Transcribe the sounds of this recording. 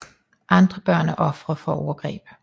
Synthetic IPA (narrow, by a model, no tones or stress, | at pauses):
ʔɑ̈nd̥ʁəb̥ɶɐ̰nəʔɔfʁɐfɒo̰ːɐɡ̥ʁḭːb̥ə̥